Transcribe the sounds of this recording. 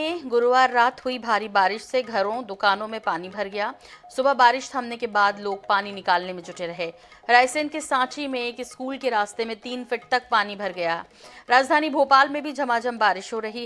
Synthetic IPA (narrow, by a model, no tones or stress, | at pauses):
ẽɡʊɾʋaːɾːaːt̪ɦʊibʱaːɾibaːɾɪʃseɡʱɐɾõd̪ʊkaːnõmẽpaːnibʱɐɾɡɐjaːsʊbəɦbaːɾɪʃt̪ʰɐmnekebaːd̪loːɡ̚paːninɪkaːlnemẽd͡ʒʱʊʈeɾɐɦeː | ɾaːɪsɪ̃nkesãːʈʰimẽeːkɪskuːlkeɾaːst̪emẽt̪iːnfɪʈ̚t̪ɐk̚paːnibʱɐɾɡɐjaː | ɾaːd͡ʒd̪ʱaːnibʱoːpaːlmẽbʱid͡ʒɐmaːd͡ʒɐmbaːɾɪʃɦoɾɐɦi